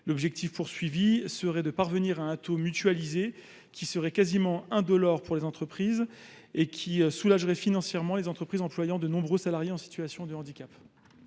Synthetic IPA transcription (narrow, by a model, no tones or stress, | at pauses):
lɔbʒɛk̚t̪ifpuʁsɥivisəʁɛd̪əpaʁvəniʁaɛ̃t̪omyt̪ɥalize | kʲʰisəʁɛkazimɑ̃ɛ̃d̪ɔlɔʁpuʁlezɑ̃t̪χəpχiːz | ekʲʰisulaʒʁɛfinɑ̃sjɛʁmɑ̃lezɑ̃t̪χəpχizɑ̃plwajɑ̃d̪ənɔ̃bʁøsalaʁjeɑ̃si̥t̪yasjɔ̃d̪əɑ̃d̪ikʲap